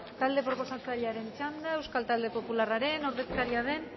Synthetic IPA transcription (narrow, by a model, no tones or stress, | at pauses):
t̪ald̪e̞pɾo̞po̞sat͡saʎaɾe̞nt͡sand̪ae̞wskalt̪ald̪e̞po̞pularaɾe̞no̞ɾðe̞skaɾiaðe̞n